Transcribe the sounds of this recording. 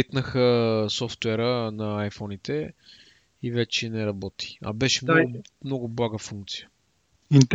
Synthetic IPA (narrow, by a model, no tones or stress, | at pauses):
it̪nəxəsɔft̪wɛɾənɐajfɔnit̪ɛ | ivɛt͡ʃɛnɛɾɐbɔt̪ʰi̥ɐ̰bɛʃɛmmnɔɡʊblˠaɡəfuŋk̚t̪sijə̥ | int̪